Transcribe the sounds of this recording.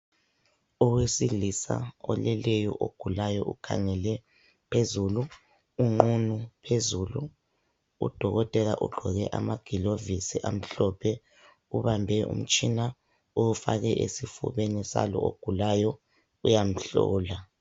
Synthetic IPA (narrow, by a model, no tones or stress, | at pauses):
ɔwesilisa̰ɔlɛlɛjɔʔoɡ̥ʱulajɔʔṵkʰa̰ŋɛlɛ | pʰezulu | uŋ͡ǃunupʰezulu | ṵd̥ʱɔɣɔtʼɛlaʔuɡ͡ǃʱɔɣɛʔamaɡ̥ʱilovisiʔam̩ɬɔpʰɛ | uβambʱɛṵm̩t͡ʃʼina | oufa̰ɣɛʔesifṵβenisa̰lɔ̰oɡ̥ʱulajɔ | ujam̩ɬɔ̰ːla